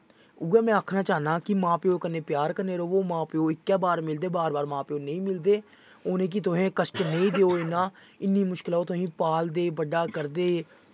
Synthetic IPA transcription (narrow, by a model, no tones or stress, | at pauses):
uːɛːmɛ̃ːəkʰnaːt͡ʃaːnãːkɪmãːpeoːkəneːpjaːɾkəɾneːɾoːoːmãːpeoːɪkːɛːbaːɾmɪld̪eːbaːɾbaːɾmãːpeːoːnəĩːmɪld̪eː | oːnẽːk̬it̪ʊɦẽːkəsʈnəĩːd̪eːoːɪnãː | ɪnːiːmʊʃkɪlaːoːt̪ʊɦĩːpaːld̪eːbəɖaːkəɾd̪eː